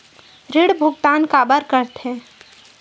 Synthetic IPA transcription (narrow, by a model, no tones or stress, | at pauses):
ɾɪɽbʱʊɡt̪aːnkaːbəɾkəɾt̪ɦɛ̃ː